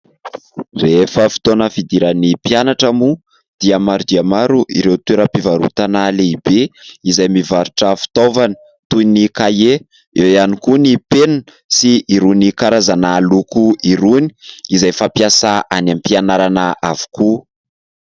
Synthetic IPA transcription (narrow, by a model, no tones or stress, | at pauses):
refəfi̥t̪onəfid̪iɾanipianaʈ͡ʂamu | d̪̥iamaɾud̪iamaɾuʔḭɾewt̪weɾəpivaɾṵt̪analeibeizajmivaɾuʈ͡ʂəfi̥t̪ovanə̥ | t̪ujnikaje | ewjanikunipenan | siiɾunikaɾazanalukuiɾuniizajfapjasaʔanampianaɾanaʔavu̥ku